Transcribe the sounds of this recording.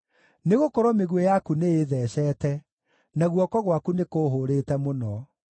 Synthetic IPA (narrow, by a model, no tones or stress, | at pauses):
neɣokɔɾomeɣwejakuneeðɛːɕɛːtɛ | naɣwɔkɔɣwakunekoːɦoːɾetɛmonɔ